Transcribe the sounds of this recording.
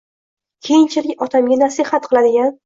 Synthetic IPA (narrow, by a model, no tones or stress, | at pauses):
kʲʰejɪnt͡ʃʰalɪkʲɒt̪ʰamɡʲanasihat̪̚qʰɨlˠad̪ɪɡʲan